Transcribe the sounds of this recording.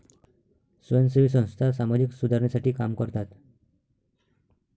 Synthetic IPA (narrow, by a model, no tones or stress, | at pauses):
sunsibʱis̬ɔ̃ŋ̃st̪ʰasamad͡ʑiksud̪ʱaɾnisaʈikamkɔɾt̪at̪